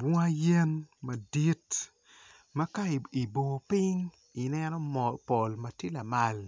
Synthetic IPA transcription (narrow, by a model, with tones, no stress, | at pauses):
bwɔ˦a˦je˦nma˨di˦t | ma˦ka˦˨i˨bo˨pi˦ŋ | i˨nɛ˦nɔ˦mɔpo˨lmɐ˦tje˦la˨ma˦l